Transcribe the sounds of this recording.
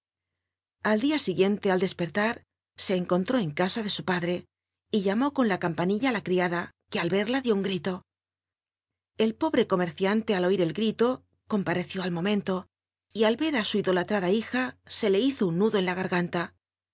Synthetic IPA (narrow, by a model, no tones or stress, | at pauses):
ald̪iasiɣje̞nt̪e̞ald̪e̞spe̞ɾt̪aɾ | se̞ːŋko̞nt̪ɾo̞e̞ŋkasaðe̞supaðɾe̞ | iʎamo̞ko̞nlakampaniʎalakɾiaðake̞alβe̞ɾlaðjo̞uŋɡɾit̪o̞ | e̞lpo̞βɾe̞ko̞me̞ɾθjant̪e̞alo̞iɾe̞lɡɾit̪o̞ | ko̞mpaɾe̞θjo̞almo̞mẽ̞nt̪o̞ | ialβe̞ɾasuiðo̞lat̪ɾaðaixase̞le̞iθo̞unːuðo̞e̞nlaɣaɾɣant̪a